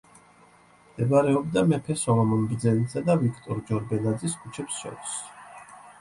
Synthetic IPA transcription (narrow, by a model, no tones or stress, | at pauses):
md̪̥ɛbaɾɛɔb̚d̪amɛpʰɛsɔvamɔnbɾd̪zɛnisad̪avikʰt̪ʼɔɾd͡ʒɔɾbɛnad̪ziskʰut͡ʃʰɛpsʃɔ̰t̪s